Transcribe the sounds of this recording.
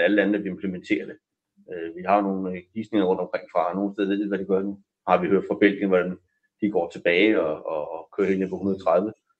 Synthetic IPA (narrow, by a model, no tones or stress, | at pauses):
æləlænðæʋie̝mpʰlement͡sʰe̝̰ːɐd̥e | øʋiɦɑ̈no̝ːn̩ɡ̥ḭːsne̝ŋɐʁɔ̽nd̥ɒ̽mkʰʁeŋ̰fʁɑ̈no̝ːn̩sdeðˠʋḛe̝d̥ʋæd̥iɡ̥ɶɐd̥ | hɑ̈ʋihøɐ̰d̥fʁɑ̈b̥el̰ɡ̥ən̩ʋɒd̥æn | d̥iɡ̥ɒ̰ːt͡sʰe̝b̥ɛːɪɒɒkʰø̰ɐhe̝nepʰɒunɐð̞ˠt͡sʰʁað̞ˠʋə